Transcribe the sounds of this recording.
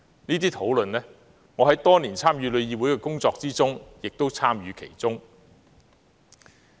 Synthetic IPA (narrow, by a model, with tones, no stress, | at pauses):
niː˥t̪̬iː˥t̪ʰo˨˥wlɵ˨nlɛː˥ | ŋɔː˨˧hɐ˨˥jt̪ɔː˥niː˨˩nt͡sʰaː˥mjyː˨˧lɵ˨˧ɥjiː˧wuː˨˥jkɛː˧kʊ˥ŋt͡sɔː˧k̚t͡siː˥t͡sʊ˥ŋjɪ˨k̚t̪o˥wt͡sʰaː˥mjyː˨˧kʰe˨˩jt͡sʊ˥ŋ